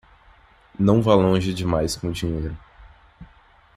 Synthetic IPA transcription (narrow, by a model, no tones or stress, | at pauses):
nɐ̃w̃valõʒɪd͡ʒɪmajskõʊd͡ʒiɲejɾʊ